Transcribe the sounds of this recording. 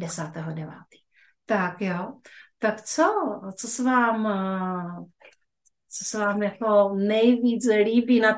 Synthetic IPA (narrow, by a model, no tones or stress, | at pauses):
dɛsaːt̪ɛɦodɛva̰ːt̪i̥ | t̪akjot̪akt͡sot͡sosɛvaːm | t͡sosɛvaːmjakonɛjviːt͡sliːbiːna